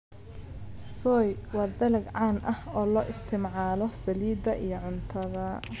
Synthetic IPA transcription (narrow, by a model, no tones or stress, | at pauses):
sɔːjwɑːd̪ɐlɐɡʕaːnʔɐhɔːlɔːʔɪst̪ʰɪmʕaːlɔsɐliːd̪ɐʔijɞʕʊnt̪ʰɐðɐ